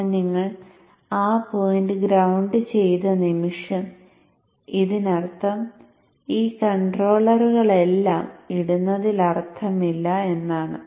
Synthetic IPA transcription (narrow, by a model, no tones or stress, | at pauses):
niŋːɐɭ | aːpojnɖɨɡɾɐwɳɖɨt͡ɕe̞jt̪ɐnimiʂɐn | iðinɐrt̪ʰːɐm | iːkɐɳɖro̞ːɭɐruɣɐɭe̞lːaːmiɽunːɐðilɐrt̪ʰɐmilːɐe̞nːaːɳɨ